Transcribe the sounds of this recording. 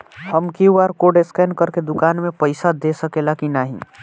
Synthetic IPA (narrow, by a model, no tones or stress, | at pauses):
həmkiuaɾkoɖeskankəɾked̪ukanmepəɪsad̪esəkelakinaɦḭ